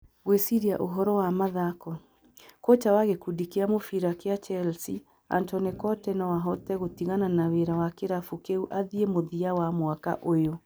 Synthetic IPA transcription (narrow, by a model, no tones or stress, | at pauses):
ɣwesiɾia̰ʔoɦɔɾɔwamaðakɔ | kot͡ʃawaɣekudikeamofiɾakeat͡ʃɛlsi | a̰ntɔnekɔtɛnawaɦɔtɛɣotiɣananaweɾawakeɾafukeuʔaðiemoðiawamwaka̰ʔojo